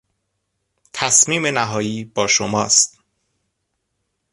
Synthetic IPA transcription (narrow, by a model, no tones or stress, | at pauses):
t̪ʰæsmiːme̞næɦɒːjiːb̥ɒːʃomɒːst̪̚